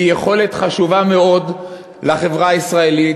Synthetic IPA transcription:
ijeχo̞le̞t̪χaʃuvame̞o̞d | laχe̞vʁaisʁae̞li

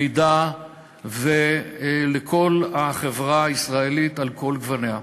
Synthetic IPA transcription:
jd̪a | velekʰo̞laχevʁaːisʁaelitalko̞lɡvanea

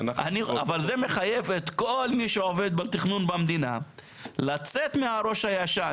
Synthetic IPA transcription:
naniavalze̞me̞χaje̞vet̪ko̞lmiʃeove̞d̪̚bet̪iχnunbamd̪ina | lat͡se̞t̪mehaɾo̞ʃhajaʃa

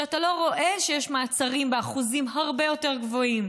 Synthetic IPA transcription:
atalo̞ʁo̞ʔe̞ʃejeʃmaːt͡saʁimbeaχuzimɦaʁbe̞jo̞teʁ̞ɡvo̞im

